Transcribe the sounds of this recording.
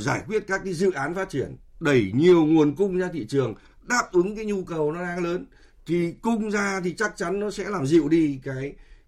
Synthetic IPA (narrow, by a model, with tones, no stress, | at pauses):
zaː˧˩jkwi˦˥ət̚kaː˦˥kːaː˨˦jzɨ̰˧˨ʔaː˨˦nfaː˦˥t̚t͡ɕi˧˩ənɗə˧˩jɲi˨˩əwŋu˨˩ənkʊ˧ŋ͡mzaː˧t̪ʰḭ˧˨t͡ɕɨ˨˩əŋ | ɗaː˦˥p̚ʔɨ˨˦ŋkaː˨˦jɲu˧kə˨˩wnɔ˨˦ɗaː˨˧˦ŋləː˨˦n | t̪ʰi˨˩kʊ˧ŋ͡mzaː˧t̪ʰi˨˩t͡ɕa˦˥k̚t͡ɕa˨˦nnɔ˨˦sɛ̰˧˥laː˨˩mzḭ˧˨əwɗi˧kaː˨˦j